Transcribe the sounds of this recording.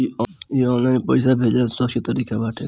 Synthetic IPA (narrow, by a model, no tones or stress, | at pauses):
iɔiɔnlãpəjsabʱed͡ʒasɔʃit̪əɾiːkʰabaːʈʰe